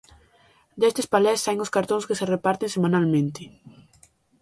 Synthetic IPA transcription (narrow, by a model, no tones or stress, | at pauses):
d̪est̪ɪspalɛsajŋʊskaɾt̪õŋskeserepaɾt̪eŋsemanalmẽnt̪ɪ